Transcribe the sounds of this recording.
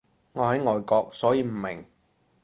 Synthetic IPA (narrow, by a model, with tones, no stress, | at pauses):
ŋɔː˨˧ɦɐ˨˥jŋɔː˨˧jkɔː˧k̚sɔː˨˥jiː˧m̩˨˩mɪ˨˩ŋ